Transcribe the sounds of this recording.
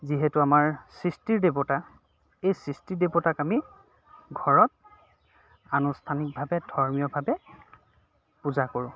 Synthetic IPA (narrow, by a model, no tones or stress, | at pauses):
ziɦɛtʊamaɹsɹistiɹdebota | ejsɹistiɹdebotakami | ɡʱɔɹɔt̚ | anustʰanik̚bʱabɛdʱɔɹmijɔbʱabɛ | puzakoɹʊ̃